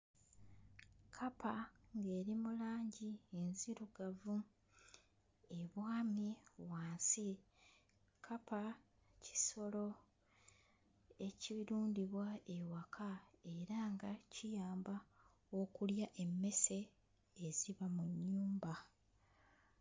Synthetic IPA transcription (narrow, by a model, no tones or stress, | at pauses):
kʰapaŋɡe̞ːɾimulaːɲɟie̞nziɾuɡavu | e̞βwaːmiwaːnsi | kʰapʰa | ci̥so̞lo̞ | e̞ciɾuːndiβwaewakʰae̞ɾaŋɡacijaːmba | o̞kuljaʔe̞mːe̞se̞ː | ziβamuɲːuːmba